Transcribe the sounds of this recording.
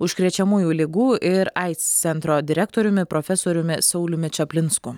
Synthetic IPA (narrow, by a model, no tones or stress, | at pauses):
ʊʃʲkɾʲiɛt͡ʃʲɛmuːjuːlʲɪɡuːʔɪɾɐɪt̪sʲsʲɛnt̪ɾoːd̪ʲɪɾʲɛk̚t̪oːɾʲʊmʲɪpɾofʲɛsoːɾʲʊmʲɪsɐʊlʲʊmʲɪt͡ʃʲɐpʲlʲɪnsku